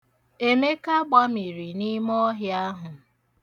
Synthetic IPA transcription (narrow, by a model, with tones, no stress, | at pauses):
e˦me˦ka˦ɡ͡ba˦mi˨ɾi˨ni˦mɔ˦ɦja˦ɦʊ˨